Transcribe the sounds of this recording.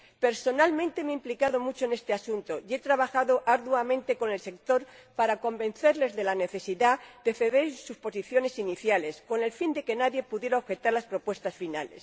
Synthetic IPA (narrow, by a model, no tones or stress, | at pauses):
pe̞ɾso̞nalmẽnt̪e̞meimplikaðo̞mut͡ʃone̞st̪easunt̪o̞je̞t̪ɾaβaxaðo̞ʔaɾðwamẽnt̪e̞ko̞ne̞lse̞kt̪o̞ɾpaɾako̞mbẽ̞n̟θe̞ɾle̞zðe̞lane̞θe̞siðad̪̥e̞θe̞ðe̞ɾsuspo̞siθjo̞ne̞siniθjale̞sko̞ne̞lfind̪e̞ke̞naðje̞puðje̞ɾaoxe̞t̪aɾlaspɾo̞pwe̞st̪asfina̰le̞̰s